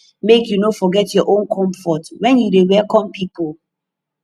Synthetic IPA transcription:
mekjunofɔɡɛtjɔʔõnkʰɔ̃mfɔtwɛ̃njudewɛlkɔ̃mpipol

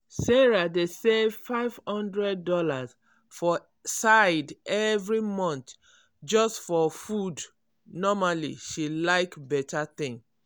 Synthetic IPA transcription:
sɛɹadesevfaɪv̥hɔ̃ndɹɛdːɔlaz | fɔ | saɪdɛvɹimɔ̃nt̪ | d͡ʒɔstfɔfud | nɔmalḭʃilaɪkbɛtʰaθĩŋ

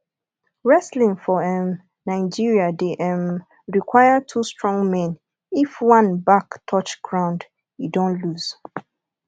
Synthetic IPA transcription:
ɹɛslĩŋfɔɛm | nãɪd͡ʒiɹiadeʔɛm | ɹikʰwajatʰustɹɔ̃ŋɡmɛ̃n | ifwãnbaktʰɔt͡ʃɡ̥ɹãʊ̃nd | jidõnluz̥

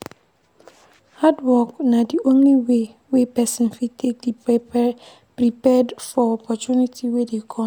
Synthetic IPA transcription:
hadwɔknadiõnliwe | wepɛsɔ̃nfitʰek̚di | pɹipɛdfɔɔpʰɔt͡ʃunitʰiwedekʰɔ̃

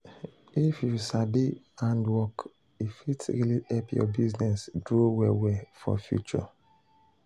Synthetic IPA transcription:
ifjusabi | ãndwɔk | ifitɹiliɛpjɔ̰biznɛsdɹowɛwɛfɔ̰fjṵt͡ʃɔ̰

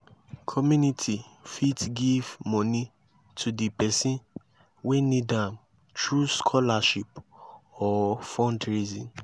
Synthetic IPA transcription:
kʰɔmjunitʰifitɡivmɔ̃nĩ | tʰudipɛsĩn | wenĩdãm | tɹuskʰɔlaʃipɔfɔ̃ndɹizĩn

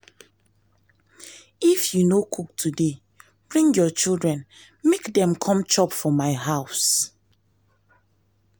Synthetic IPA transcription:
ifjunokʰuk̚tʰude | b̥ɹĩŋjɔt͡ʃildɹɛ̃n | mekdɛ̃mkʰɔ̃mt͡ʃɔpfɔmaɪɦaʊs

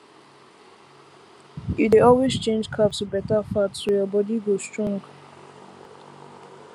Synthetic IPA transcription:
ɪt̚deɔlwezt͡ʃẽnd͡ʒkʰapsbɛtəfatsujəbɔdiɡostɹɔ̃ŋɡ

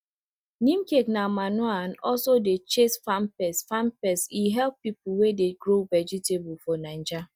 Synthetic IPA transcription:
nĩmkeknamanwanɔlsodet͡ʃesfampɛsfampɛsiɦɛlppipʊwedeɡɾovɛd͡ʒitebʊfɔnand͡ʒa

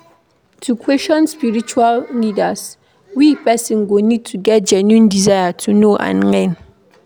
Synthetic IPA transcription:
tʰukʰwɛsʃɔ̃nspiɹit͡ʃualnidas | wipɛsĩnɡonid̚tʰuɡɛt̚d͡ʒɛ̃njũndizajatʰunoʔã̰nlɛ̃n

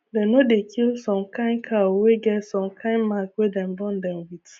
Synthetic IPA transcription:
denodekʰilsɔ̃mkãɪ̃nkʰaoweɡɛtsɔ̃mkʰãɪnmakwedɛ̃m̩bɔn̩dɛmwit

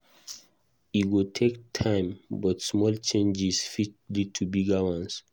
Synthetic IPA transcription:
iɡotʰektʰãɪ̃mbɔtsmɔlt͡ʃẽnd͡ʒisfitlitʰubiɡawãns

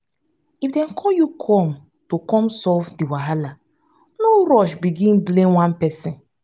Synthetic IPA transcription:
ifdɛ̃nkʰɔjukʰɔ̃m | tokɔ̃msɔvdiwaɦala | noɾɔʃbiɡĩnblẽnwãnpɛsĩn

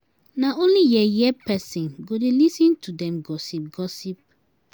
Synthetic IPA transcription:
naõnlijɛjɛpɛsĩnɡodelisĩntudɛ̃mɡɔsip̚ɡɔsip̚

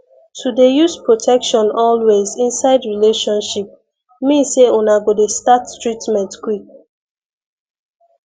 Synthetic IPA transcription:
tʰudejuspɹotʰɛkʃɔ̃nɔlwezĩnsaɪdɹileʃɔ̃nʃip̚ | mĩnsːeũnaɡodestattɹitmɛ̃ntkwik̚

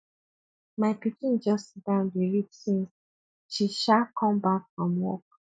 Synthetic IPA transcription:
maɪpikĩnd͡ʒɔsdãʊ̃ndeɹit͡ʃsĩn | ʃiʃakʰɔ̃mbakfɹɔ̃mwɔ̰k̚

